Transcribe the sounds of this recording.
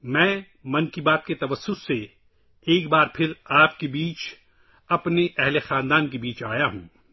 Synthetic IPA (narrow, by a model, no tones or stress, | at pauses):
mɛ̃ː | mɐ̃nkibaːt̪̚ket̪ɐʋɐsːʊsːe | eːkbaːɾpʰɪɾaːpkebiːt͡ʃ | ɐpneʔɛɦlexaːnd̪aːnkebiːt͡ʃaːjaɦũː